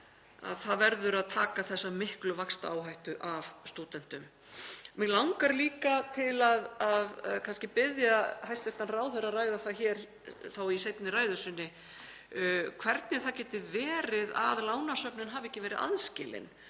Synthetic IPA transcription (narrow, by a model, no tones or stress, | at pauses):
a̰ðθaðvɛɾðʏɾaðt̪ʰaːkaθɛsːamɪhklʏvakst̪aaːwɦajht̪ʏʔavst̪uːt̪ɛn̥t̪ʏm | mɛɣlawŋkaɾliːkat̪ʰɪlaðaðkʰanscɪpɪðjahajst̪ejft̪anraːwθɛrːaðraːjðaθaçɛːɾ̥ | θawisejt̪nɪraːjðʏsɪnːɪ | kʰvɛɾt̪nɛ̥θacɛːt̪ɪðvɛːɾɪða̰ðlaːwnasœpnɪnɦaːvɪɛhcːɪvɛːɾɪða̰ðscɪːlɪ̰n